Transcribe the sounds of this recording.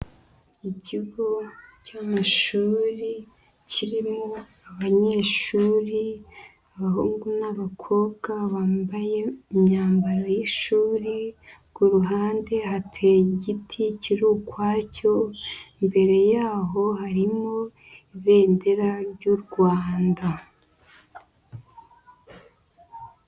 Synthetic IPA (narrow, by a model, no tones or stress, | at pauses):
iciɡo̞camaʃuːɾi | ciɾimo | aβaɲe̞ːʃuːɾi | aβahuːŋɡunaβakʰo̞ːbɡaβaːmbaje̞mɲaːmbaɾojiʃuːɾiɡuɾuɦaːnde̞ɦatʰeɟitʰiciɾuːkwaːco̞imbe̞ɾe̞jaːɦo̞haɾimo̞ | iβe̞ːnde̞ɾaɾɟuɾɡwaːnda